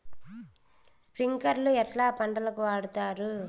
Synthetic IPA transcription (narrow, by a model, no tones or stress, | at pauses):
spɾɪŋɡɐɾlɯɛʈlaːpɐɳɖɐlɯkːɯʋaːɽɯt̪ːaːɾɯ